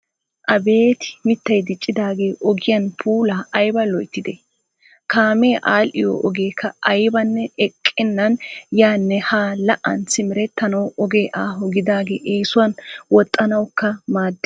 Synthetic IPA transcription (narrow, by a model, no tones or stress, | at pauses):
ʔɐbe̞ːt̪ɪ̥mɪt̪ːɐjd̪ɪt͡ʃʼːɪd̪aːɡe̞ːʔɔɡɪjɐnpʰuːlaːʔɐjbɐlɔjt̪ːɪd̪ɛ | kaːmeːʔaːlʔɪjo̰ʔɔɡe̞ːkʰːɐɐjbɐnːɛɛkʼːɪnːɐnjaːnːɛhaːlɐʔɐ̰nsɪmɪɾɛt̪ːɐnɐwɔɡeːʔaːɦɔɡɪd̪aːɡḛːʔeːsʊwɐnwɔt̪ʼːɐnɐwkːɐmaːd̪ː